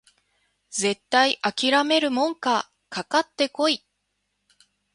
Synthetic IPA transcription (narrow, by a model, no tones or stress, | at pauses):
ze̞t̪ːaiʔakʲiɾame̞ɾɯ̟mõ̞ŋka | kakat̪ːe̞ko̞i